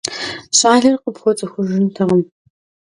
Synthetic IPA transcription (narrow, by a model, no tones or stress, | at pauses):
ɕaːɮɐrqəpxʷɔt͡sʼɐxʷʊʒɪntʰɐʁɐm